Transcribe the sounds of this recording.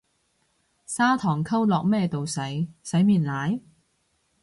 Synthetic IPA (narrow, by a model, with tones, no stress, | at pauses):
saː˥t̪ʰɔː˨˩ŋkʰɐ˥wlɔː˨k̚mɛː˥˧t̪o˨wsɐ˨˥jsɐ˨˥jmiː˨˩nlaː˨˥j